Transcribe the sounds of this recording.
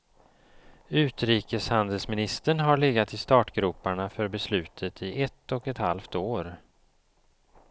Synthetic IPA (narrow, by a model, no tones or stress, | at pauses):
ʉ̟ːt̪ɾiːkəshand̪əlsmɪnɪst̪əɳɦaɾɭɛɡat̪ɪst̪ɑːʈɡɾuːpːaɳafœɾbɛslʉ̟ːt̪ʰət̪ʰɪʔɛt̪ːɔkɛt̪ha̰lft̪oːɾ